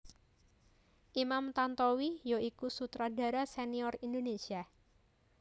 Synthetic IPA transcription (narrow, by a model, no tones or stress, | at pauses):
ʔimamt̪ant̪owijoʔikusut̪ɾada̤ɾaseniɔrindonesia